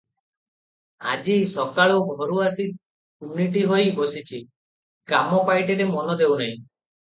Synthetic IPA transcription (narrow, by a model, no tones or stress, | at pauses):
a̰d͡ʒisɔkaɭɔbʱɔɾuasi | umniʈiɦojbɔsit͡ʃʰi | kamɔpajʈeɾemɔnɔd̪ewnaĩ